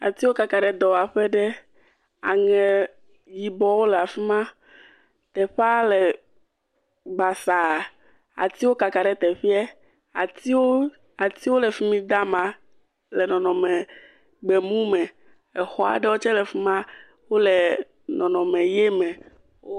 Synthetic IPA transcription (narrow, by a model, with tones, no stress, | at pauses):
a˨t̪i˦wo˦ka˨ka˨ɖɛ˨d̪ɔ˨a˨ɸɛ˦ɖɛ˦ | a̰˨ŋɛ̃˨ | ji˨bɔ˨wo˦lɛ˨a˨fi˦mã˦ | t̪ɛ˨ɸa˦lɛ˨ | ɡ͡ba˨sa˨ | a̰˨t̪i˦wo˦ka˨ka˨ɖɛ˦t̪ɛ˨ɸi˦ɛ˦ | a̰˨t̪i˦wo˦ | a˨t̪i˦wo˦lɛ˨fi˦mĩ˦d̪a˦mã˨ | lɛ˨nɔ̃˨nɔ̃˨mɛ˨ | ɡ͡bɛ˨mũ˦mɛ̃˨ | ɛ˨xɔ˦a̰˨ɖɛ˦wo˦t͡ʃɛ˦lɛ˨fi˦mã˦ | wo˦lɛ˨ | nɔ̃˨nɔ̃˨mɛ˨je˦mɛ̃˨ | wo˦